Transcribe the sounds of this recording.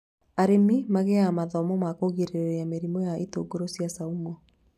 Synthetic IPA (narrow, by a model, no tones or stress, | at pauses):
aɾemimaɣeamaðɔmɔmakoɣiɾeɾɛjameɾimɔjaeto̰ɡoɾosjasaumɔ